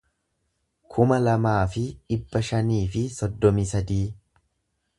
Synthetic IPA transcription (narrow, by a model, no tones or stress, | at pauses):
kʰʊmɐlɐmaːfɪᶑɪbːɐʃɐniːfɪsɔd̪ːɔmɪsɐd̪iː